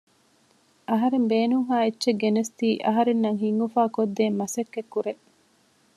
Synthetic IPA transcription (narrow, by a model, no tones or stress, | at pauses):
ʔɐɦɐɾembeːnuŋhaːetːʃeɡenest̪iːʔɐɦɐɾenːɐŋɦiŋːufaːkod̪ːeːmːɐsɐkːekːuɾe